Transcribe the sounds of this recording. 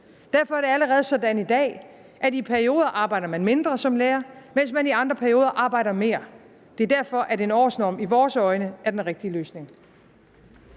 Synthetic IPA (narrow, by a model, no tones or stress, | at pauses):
d̥æɐfɒ̽æɐd̥e̝æləʁɛːð̞̩ˠsɒ̽d̥ænid̥ɛ̰ː | ʔæd̥ipʰæɐio̝̰ːðˠɐʔɑ̈ːb̥ɑ̈ɪ̰ɾ̥ɐmænme̝nd̥ʁɐsɒ̽mleːɐmen̰smæniɑ̈nd̥ʁɐpʰæɐio̝ːð̞ˠɐʔɑ̈ːb̥ɑ̈ɪ̰d̥ɐme̝̰ːɐ | d̥e̝æɐd̥æɐfɒ̽ʔæɐde̝nɒ̰ːsnɒ̰ːmiʋɒːsɒ̽ɪnəæɐd̥enʁɛɡ̥̚d̥iəløːsne̝ŋ